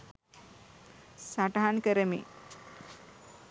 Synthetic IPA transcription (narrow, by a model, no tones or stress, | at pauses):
saʈɐɦankəɾəmḭ